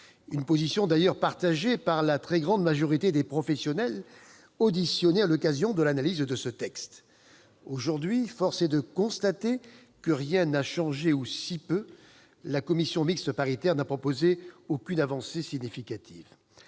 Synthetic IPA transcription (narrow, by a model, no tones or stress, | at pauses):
ynpozisjɔ̃d̪ajœʁpaʁt̪aʒepaʁlat̪χɛɡʁɑ̃d̪maʒɔʁit̪ed̪epχɔfɛsjɔnɛl | od̪isjɔnealɔkazjɔ̃d̪əlanalizd̪əsət̪ɛkst̪ | oʒuʁd̪ɥifɔʁsed̪əkɔ̃st̪at̪e | kəʁjɛ̃naʃɑ̃ʒeusipø | lakɔmisjɔ̃mikst̪əpaʁit̪ɛʁnapχɔpozeokʲynavɑ̃sesiɲifikat̪ʰiv